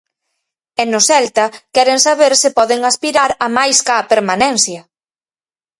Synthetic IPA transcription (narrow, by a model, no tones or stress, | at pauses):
ɛnʊsɛlt̪ɐkɛɾeŋsaβeɾsɪpɔðɪŋaspiɾaɾɐmajskaːpeɾmanɛn̟θjɐ